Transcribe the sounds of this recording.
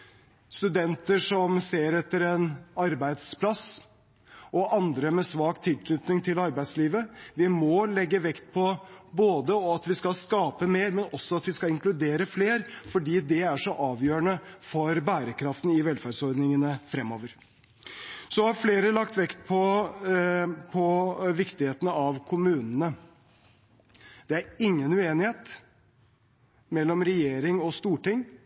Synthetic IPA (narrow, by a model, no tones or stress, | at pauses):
st̪ʉd̪ɛnt̪əʂɔmseːɾɛt̪ːəɾɛnɑɾbæɪd̪spʰlɑs | ɔʔɑnd̪ɾəmɛsʋɑːkt̪ʰɪlkʰnʏt̪nɪŋt̪ʰɪlɑɾbæɪsliːʋəʋɪmɔlɛɡːəʋɛkt̪̚pʰɔboːd̪əɔɑt̪ʋɪskɑskɑːpəmeːɾmɛnɔsːɔɑt̪ʋɪskɑɪŋklʉd̪eːɾəfleːɾfɔɖiːd̪ɛæʂɔʔɑːʋjøːɾəɳəfɔɾbæːɾəkʰɾɑft̪n̩ɪʋɛlfæːɖsɔɾd̪nɪŋənəfɾɛmːoːʋəɾ | sɔhɑɾfleːɾəlɑkt̪ʋɛkt̪̚pʰɔ | pʰɔʋɪkt̪ɪheːt̪ənəɑʋkʰʊmʉːnənə | d̪̥ɛæɾɪŋːənʉːeːnɪheːt̪ | mɛlːɔmɾɛjeːɾɪŋɔst̪uːʈɪŋː